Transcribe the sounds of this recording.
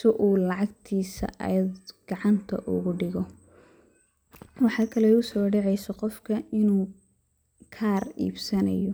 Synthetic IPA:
sɪʔuːlɑʕɑɡt̪ʰiːsɐ̰ʔɐ̰jd̪ɡ̥ɑʕɑnt̪ʰɐ̰ʔʊ̰ɣʊɖɪɣɔ | wɑħɑːkʰɐlɛʊsɔːɖɛʕɛjsɐqɔfkʰɐɪnuː | kʰaːrḭːbsɐnɐ̰jɔ

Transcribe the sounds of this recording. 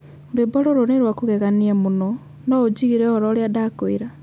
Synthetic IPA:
debɔɾoɾoneɾwakoɣɛɣaniamonɔ | nɔod͡ʑiɣiɾɛɔɾɔɾjadakoeɾa

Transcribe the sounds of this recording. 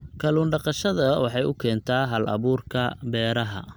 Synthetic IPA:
kʰɐluːnɖɑqɑʃɐðɐwɑħɑjʊkʰɛːnt̪ʰaːɦɐlʔɐ̰βuːrkʰɐbɛːɾɐɦɐ̰

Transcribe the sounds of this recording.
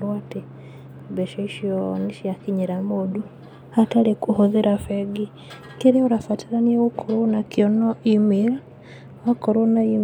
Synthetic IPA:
ɾwati | βeʃoiʃjoniʃjakiɲiɾamodu | atalikuhoðeɾafeɡi | keɾiuɾafatiɾaniewukʰoɾunakjonoimiɾa | wakoɾunaim

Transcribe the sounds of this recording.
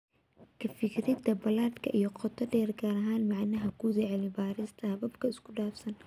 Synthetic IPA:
kʰɐfɪkʰɾɪd̪ɐbɐlaːd̪kʰɐʔijɔqʰɔt̪ʰːɔɖɛːrɡaːɾɐɦaːnmɐʕnɐɦɐkʰʊd̪ɛʕlɪbaːɾɪst̪ʰɐhɐbɐbkʰɐɪskʰʊɖaːfsɐn

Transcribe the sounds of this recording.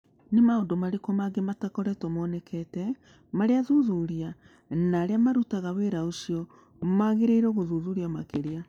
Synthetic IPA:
nemaodomaɾekomaɡematakɔɾɛtɔmwɔnɛkʰɛtɛ | maɾeaðuðuɾia | naɾeamaɾutaɣaweɾaosiɔ | maɣeɾeiɾɛɣoðuðuɾiamakeɾia

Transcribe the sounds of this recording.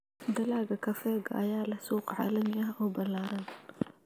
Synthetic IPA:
d̪ɐlaːɡɐkʰɐfɛːɡɐ̰jaːlɐsuːqʕa̰ːlɐmɪɐɦɔːbɐlaːɾɐn

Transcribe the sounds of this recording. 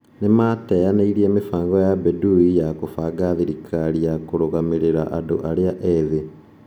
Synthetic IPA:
nimatejaneiɾie̞ːmifaːŋɡojabeduijakufaɡaðiɾikʰalijakuɾuɣamiɾiɾa̰ʔadṵʔaljaʔeði

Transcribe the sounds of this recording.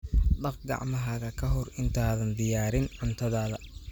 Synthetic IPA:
ɖɐqɡɑ̰ʕmɐɦɐɣɐkʰɐɦɔrɪnt̪ʰaːðɐnd̪ɪjaːɾɪnʕʊnt̪ʰɐðaːðɐ

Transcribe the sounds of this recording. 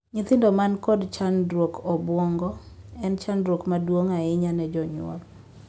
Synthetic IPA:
ɲɪt̪ɪndɔmankɔdt͡ʃandɾwokʰɔbwɔŋɡɔ | ɛnt͡ʃandɾwokmadwoŋaɪɲanɛd͡ʒɔɲw̰ɔ̰l

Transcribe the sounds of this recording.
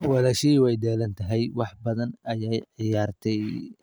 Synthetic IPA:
wɑlɐʃɐiːwɛjɖɛːlɐnt̪ʰɐɦɛjwɑħbɐðɐnɐjɛjʕɪjaːrt̪ʰɛj

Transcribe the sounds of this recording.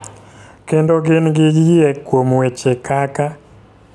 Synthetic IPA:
kendoɡɪnɡɪɡɪɛkwomwet͡ʃekʰaka

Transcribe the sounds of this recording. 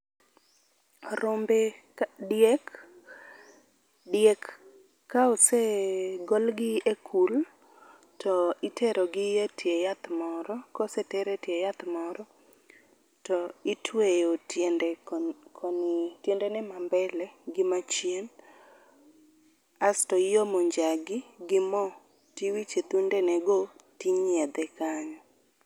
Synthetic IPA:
ɾombe | djɛk | djekː | aoseɡɔlɡɪekʰul | tʰɔɪtʰeɾoɡɪjetʰjejat̪mɔɾɔkɔsɛtɛɾetjejat̪mɔɾɔ | tɔɪtʰwejotndɛkʰɔntjendɛnɛmambɛlɛɡɪmat͡ʃjen | astɔɪjomoɲd͡ʒaɡɪɡɪmɔ | tiwit͡ʃet̪undɛnɛɡotiɲɪɛd̪ɛkaɲɔ

